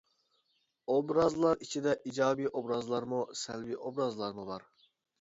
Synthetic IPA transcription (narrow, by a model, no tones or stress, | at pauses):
obɾɑzlˠɑɾit͡ʃʰid̪ɛʔid͡ʒɑːbiːʔobɾɑzlˠɑɾmusɛ̰lbiːʔobɾɑzlˠɑɾmubɑɾ